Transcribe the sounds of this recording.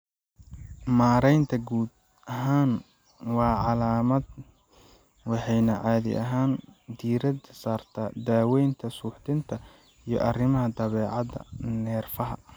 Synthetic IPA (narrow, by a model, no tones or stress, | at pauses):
maːɾɛjnt̪ʰɐɡuːd̪ | ɐɦaːn | wɑːʕɑlaːmɐd̪̚ | wɑħɑjnɐʕɑːðɪ̰ʔɐ̰ɦaːnd̪iːɾɐd̪saːrt̪ʰɐd̪aːwɛjnt̪ʰɐsuːħt̪ʰɪnt̪ʰɐ | ijɞ̰ʔɐrɪmɐɦɐd̪ɐβɛːʕɑd̪ɐ̰nɛːrfɐɦɐ̰